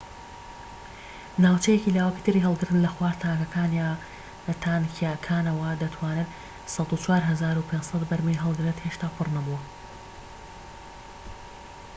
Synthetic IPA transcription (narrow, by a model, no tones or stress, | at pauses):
naːwt͡ʃɛjecilaːwɐki̥t̪ʰɨriɦɐlˠɡɨɾt̪ɨnlɐxwaːɾt̪ʰaːkɐkʰaːnjaː | t̪ʰankʰiaːkʰaːnɐwɐd̪ɐt̪ʰwaːnɨt̪ | sɑt̪ut͡ʃʰwaːɾɦɐzaːɾupʰeːnd͡ʒsˤɐt̪bɐɾmɨjɦɐlˠɡɨɾɨt̪heʃt̪aːpʰɨrnɐbuwɐ